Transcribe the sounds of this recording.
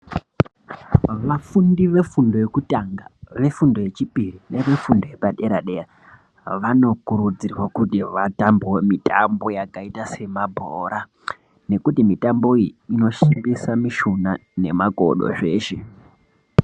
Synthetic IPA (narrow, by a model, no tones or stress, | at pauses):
ʋafundiʋe̞fundo̞jekutaŋɡaʋe̞fundo̞je̞t͡ʃipirine̞ʋe̞fundo̞jepaɗeɾaɗera | ʋano̞kuɾud͡zirwakutiʋatambwomitambo̞jakaitase̞mabʱoɾa | ne̞kutimitambo̞ijiino̞ʃimbisamiʃunane̞̰mako̞̰ɗo̰ʐe̞ːʃe